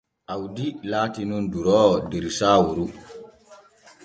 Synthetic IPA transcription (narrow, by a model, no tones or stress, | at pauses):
ʔawdilaːtinunduɾɔːwɔdeɾisaːwuɾu